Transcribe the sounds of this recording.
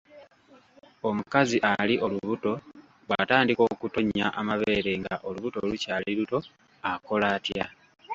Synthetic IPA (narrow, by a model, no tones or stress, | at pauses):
o̞mukaziʔaliʔo̞luβuto̞ | βwataːndiko̞ːkuto̞ɲːaʔamaβe̞ːɾe̞ŋɡaʔo̞luβuto̞lucaːliɾuto̞ | ako̞laːtja